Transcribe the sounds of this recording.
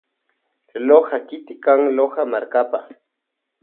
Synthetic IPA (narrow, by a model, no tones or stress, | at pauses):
lohakɪt̪ɪkaŋlohamaɾkapa